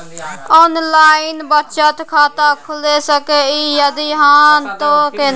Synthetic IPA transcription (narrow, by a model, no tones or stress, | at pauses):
oːnlaːɪnbətːt͡ʃət̪kʰaːt̪akʰʊlesəkeiːjəd̪iɦãːt̪oke